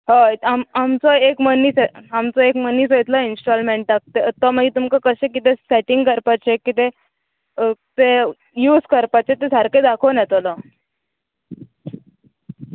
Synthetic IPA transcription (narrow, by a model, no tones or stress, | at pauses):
ɦat̪amamt͡sɔekməniːt͡seamt͡sɔekməniːt͡sɔit̪lainsʈɔlmeɳʈak̚t̪et̪ɔməɡit̪umkakəɕẽkit̪eseʈiŋɡkəɾpat͡sekit̪e | t̪e | juːskəɾpat͡ɕet̪esaɾked̪akʰonɛt̪ɔlɔ